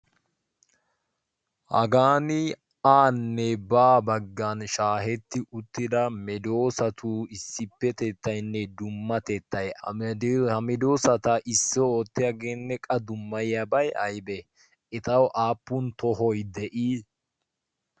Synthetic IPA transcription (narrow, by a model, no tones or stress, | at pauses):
hɐ̰ɡaːnɪ | aːnːɛbaːbɐɡːɐnʃaːɦɛt̪ːɪʔʊt̪ːɪd̪ɐmɛd̪oːsɐt̪ʰuːɪsːɪpːɛt̪et̪ːɐjnːɛd̪ʊmːɐt̪ɛt̪ːɐj | hɐmɪd̪oːsɐt̪ɐʔɪsːɔoːt̪ːɪjaɡe̞ːnːɛkʼɐd̪ʊmːɐjjɐbɐjɐjbɛ | ɪt̪ɐwʔaːpːʊnt̪ɔɦɔjd̪ɛʔiː